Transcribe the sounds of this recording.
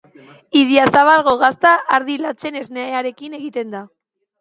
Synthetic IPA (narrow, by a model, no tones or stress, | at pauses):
iðiasaβalɣo̞ɣast̪aːɾðilat͡se̞ne̞zneeaɾe̞kine̞ɣit̪e̞nd̪a